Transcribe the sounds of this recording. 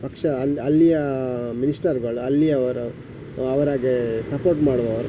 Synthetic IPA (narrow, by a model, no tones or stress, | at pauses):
pɐkʂɐɐlːijɐminisʈɐɾɡɐɭuɐlːiɐɐʋɐɾu | ɐʋɐɾaːɡesɐpoːɾʈmaːɽʋɐːʋɐɾu